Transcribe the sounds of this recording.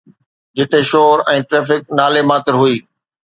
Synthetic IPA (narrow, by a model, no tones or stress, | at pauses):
d͡ʑɪt̪eʃoːɾɛ̃ːʈɾeːfɪk̚naːlemaːt̪ɪɾɦʊiː